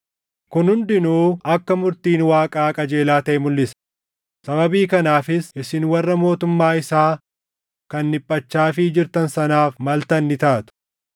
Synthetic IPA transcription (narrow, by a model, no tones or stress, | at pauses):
kʊnhʊnd̪ɪnuːɐkːɐmʊɾt̪iːnwaːkʼaːkʼɐd͡ʒe̞ːlaːt̪ɐʔɛmʊlːɪsɐ̥ | sɐbɐbiːkɐnaːfɪsɪsɪnwɐrːɐmo̞ːt̪ʊmːaːɪsaː | kɐnːɪpʼːɐt͡ʃːaːfɪd͡ʒɪɾt̪ɐnsɐnaːfmɐlt̪ɐnːɪt̪aːt̪ʊ̥